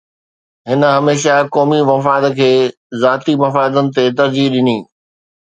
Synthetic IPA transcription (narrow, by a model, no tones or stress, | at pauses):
ɦɪnə̆ɦɐmeːʃ̬akɔːmimɐfaːd̪kʰeː | zaːt̪imɐfaːd̪ənɪ̆t̪et̪ɐɾd͡ʑiɗɪniː